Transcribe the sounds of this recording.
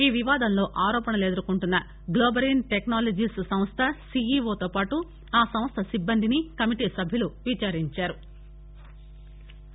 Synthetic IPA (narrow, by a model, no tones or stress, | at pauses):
iːʋiʋaːd̪ɐnlo̞ːʔaːɾɔːpɐnɐleːd̪ɐɾukuɳʈunːɐ | ɡloːbɐɾinʈeknaːlɐd͡ʒiːssɐm̃st̪ʰɐsiːiːʋoːt̪oːpaːʈu | aːsɐm̃st̪ʰɐsibːɐnd̪inikɐmiʈiːsɐbʱjuluʋit͡ʃaːɾiɲt͡ʃaːɾu